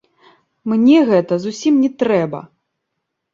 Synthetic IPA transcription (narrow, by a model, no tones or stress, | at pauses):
mnʲɛɣɛt̪ɐzusʲimnʲɛt̪ɾɛbɐ̰